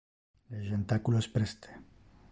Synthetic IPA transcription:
leʒent̪akulospɾest̪e̥

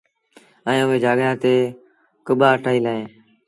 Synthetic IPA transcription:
əẽːʊʋẽːd͡ʒaːɠjãːt̪eː | kʊɓaːəʈʰaːiːlaːɦẽː

